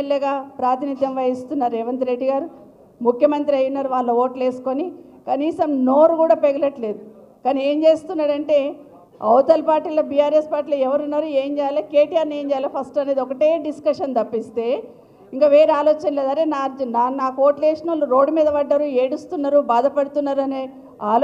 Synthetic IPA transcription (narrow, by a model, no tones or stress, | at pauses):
ljeɡaːpɾaːt̪inid̪ʱjɐmʋɐjist̪unːaːɾuɛʋɐnt̪ɾeɖːiɡaːɾu | mukʰjɐmɐnt̪ɾiɐjunːaːɾuʋaːɭːɐoːʈle̞ːsu̥ko̞nikɐniːsɐmno̞ːɾukuːɽaːpeɡulɐʈle̞ːd̪u | kɐnie̞ːmd͡ʒe̞ːst̪unːaːɽɐɳʈe̞ː | ɐwt̪ɐlpaːɾʈiːloːbijaːɾespaːɾʈːiːlɐɛʋɐɾunːaːɾue̞ːmd͡ʒɛːjaːlake̞ːʈijaːɾneːɲd͡ʒɛːjalapʰɐsʈɐne̞ːd̪ɔkɐʈeːɖiskɐʂɐnt̪ɐpːist̪e̞ː | iŋkaːʋe̞ːɾeaːloːt͡ʃɐnleːd̪aːɾeːnaːɾd͡ʒnanaːkuoːʈleːʂɐnɐluɾo̞ːɖumiːd̪ɐʋɐɖːɐɾueːɽust̪unːɐɾubaːd̪ɐpɐɽut̪unːaːɾuɐneː | aːl